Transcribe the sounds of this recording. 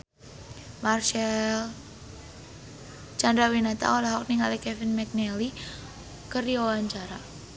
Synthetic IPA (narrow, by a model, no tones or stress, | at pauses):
marʃɛl | t͡ʃandawinat̪a̰ɔlaɦɔk̚niŋalikɛfinmɛk̚nɛli | kəɾiɔwaɲt͡ʃaɾa